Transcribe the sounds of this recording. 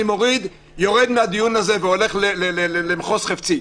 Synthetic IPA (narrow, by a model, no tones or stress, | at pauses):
imo̞ʁid̪ | jo̞ʁed̪mead̪ijunaze̞veole̞χlelelelemχo̞sχaft͡si